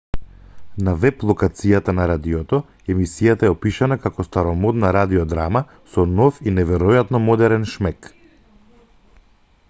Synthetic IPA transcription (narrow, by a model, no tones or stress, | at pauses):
navɛplˠɔkat̪sijat̪anaɾad̪iɔt̪ɔ | ɛmisijat̪aɛɔpiʃanakakɔst̪aɾɔmɔd̪naɾad̪iɔd̪ɾama | sɔnɔfinɛvɛɾɔjat̪nɔmɔd̪ɛɾɛnʃmɛk